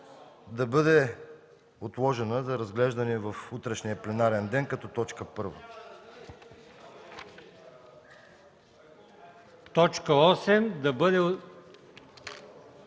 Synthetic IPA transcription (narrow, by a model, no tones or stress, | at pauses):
d̪ɐbɤd̪ɛ | ot̪lˠɔʒɛnəzɐɾɐzɡlɛʒd̪ɐniɛvɐfut̪ɾɛʃniəplɛnaɾɛnd̪ɛnkɐt̪ɔt̪ɔt͡ʃkəpɤɾvə | t̪ɔt͡ʃkəɔsɛmd̪ɐbɤd̪ɛ